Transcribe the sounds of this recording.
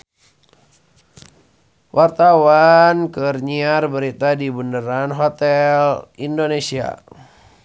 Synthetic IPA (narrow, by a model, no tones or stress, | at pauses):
wʔart̪awankɨrɲiarbəɾit̪adibundəɾanɦot̪ɛlindonesia̰